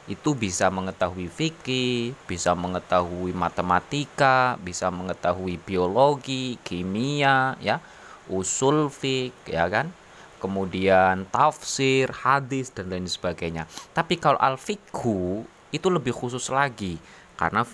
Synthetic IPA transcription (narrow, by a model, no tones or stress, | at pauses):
ʔit̪ubisaməŋət̪aɦuifikib̥isaməŋət̪aɦuimat̪əmat̪ikabisaməŋət̪aɦuibioloɡikimiaja | usʊlfɪk̚ja̰kan | kəmudiant̪afsɪrhadɪsd̥anlaɪnsə̥baɡajɲat̪apikalo̰ʔalfiku | it̪uləbɪhhus̬ʊslaɡi | ka̰rəna